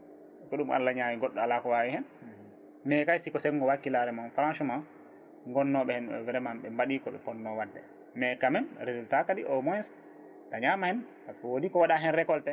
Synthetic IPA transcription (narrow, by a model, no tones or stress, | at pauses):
kɔɗumʔa̰lːaɲawiɡɔɗːɔalakɔwawihɛn | mɛkajsikɔsɛŋɡɔwakilaɾɛmanfɾanʃuma | ŋɡɔnːɔɓɛhɛnɓɛ̰vɛɾɛmanɓɛmbaɗikɔɓɛ̰pɔnːɔwadːɛ | mɛkamɛnɾezultataɗiʔɔmɔjɛs | taɲamahɛnpaskɔwodikɔwaɗaɦɛnɾɛkɔltɛ